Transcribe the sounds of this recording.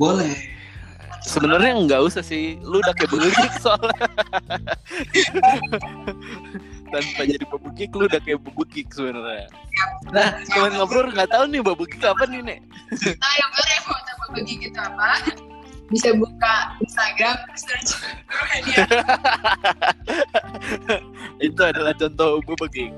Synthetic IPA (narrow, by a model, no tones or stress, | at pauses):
bolɛ | səbənərɲaəŋɡausahsɪhludakajbəɡukɪk̚sal | t̪anpad͡ʒadipəbukɪkludahkajbbukɪk̚səbənərɲa | anahkamanŋapənʊrŋɡat̪aunɪbabukɪkapanɪnɪ | t̪ajamaɾemot̪ababəɡɪkit̪ama | bisabukainst̪aɡɾamsət͡ʃ | it̪uadalaht͡ʃɔnt̪ɔubabəkɪk̚